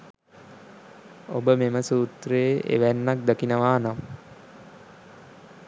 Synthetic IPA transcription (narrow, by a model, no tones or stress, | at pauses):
obəmeməsuːt̪reeʔḛʋænːak̚d̪akinəʋaːnam